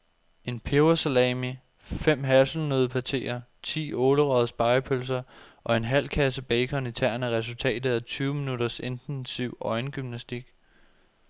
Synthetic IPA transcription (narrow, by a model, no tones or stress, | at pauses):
e̝npʰeʊɐsælɛmi | fem̰ɦæsl̩nøðˠpʰæt͡sʰe̝̰ːɐt͡sʰḭːɔ̽ːləʁɒð̩ˠsb̥ɑ̈ɪpʰøls̬ɐʔɒ̽e̝nɦæl̰kʰæsəb̥ɛɪkʰɒ̽nit͡sʰæɐ̰næʁɛs̬ult͡sʰɛ̰ːd̥ð̩ˠæt͡sʰyːʊəminuɾɐse̝nd̥ensiʊ̰ɒ̽ɪnɡ̥ymnæsd̥iɡ̥